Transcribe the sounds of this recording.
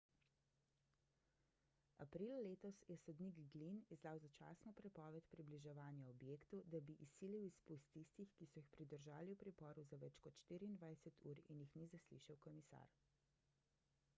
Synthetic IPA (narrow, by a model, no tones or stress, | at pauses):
a̰pɾiːlaleːt̪ɔsjɛsɔd̪niɡɡlinizd̪aːwzat͡ʃa̰ːsnɔpɾɛpɔːʋɛt̪pɾibliʒɛʋaːnjaɔbjeːkt̪ud̪abiʔisiːliwispust̪ːist̪ixkisɔjixpɾid̪əɾʒaːliwpɾipɔɾuzaʋɛt͡ʃkɔt̪ʃt̪iːɾiːnd̪ʋajsɛt̪ʰuːɾinjixnizaslḭʃawkɔmisa̰ɾ